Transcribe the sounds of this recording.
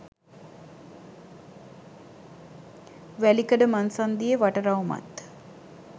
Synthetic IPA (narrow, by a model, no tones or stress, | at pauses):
ʋælikəɖəmansand̪ijəʋaʈəɾawma̰t̪